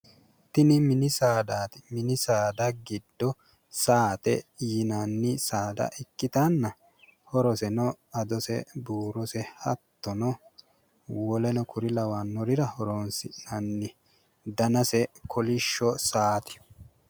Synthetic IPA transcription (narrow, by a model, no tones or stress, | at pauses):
t̪ɪnɪmɪnɪsaːd̪aːt̪ɪmɪnɪsaːd̪ɐɡɪd̪ːɔ | saːt̪ɛ̰ːnanːɪsaːd̪ɐ̰ʔɪkːɪt̪ɐnːɐ | hɔɾɔsɛnɔ | ɐd̪ɔsɛ̰buːɾɔsɛhɐ̰t̪ːɔnɔ | wɔlɛnɔkʊɾɪlɐwanːɔɾɪɾɐhɔɾoːnsɪnɐnːɪ | d̪ɐnɐsɛkʰɔlɪʃːɔsaːt̪ɪ̥